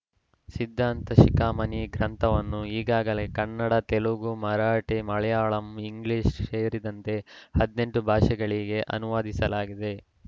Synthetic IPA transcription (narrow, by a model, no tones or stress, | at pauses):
sid̪ʱːaːnt̪ɐʃikaːmɐniɡɾɐnt̪ʰɐʋɐnːuiːɡaːɡɐle̞kɐnːɐɽɐt̪eluɡumɐɾaːʈemɐɭɛjaːɭɐmiŋɡliːʂseːɾid̪ɐnt̪e̞hɐd̪ne̞ɳʈubʱaːʂɐɡɐɭiɡe̞ʔɐ̰nuʋaːd̪isɐlaːɡid̪e̞